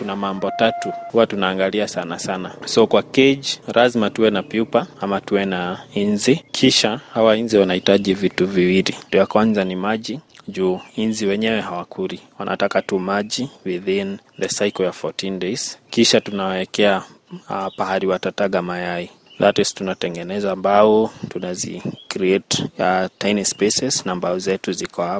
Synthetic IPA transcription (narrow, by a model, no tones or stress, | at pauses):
tunamambɔtatuhuwatunaːŋɡaliasanasanasɔkwakɛd͡ʒɾʔazmatuwɛnapiupaamatuwɛnainzikʰiʃahawainziwanaitaʄivituviwilindujakwanzanimaʄiʄuːinziwɛɲɛwɛɦawakʰuɾiwa̰nʔa̰takatumaʄiwiðin | ðəsajkɔɔfɔtindeskiʃatunawawɛkɛa | pahaɾiwatataɠamajai | latɛstunatɛŋɡɛnɛzaːmbaɔtunazḭkɾiɛtatajnispɛsɛsnambauzɛtuzikɔha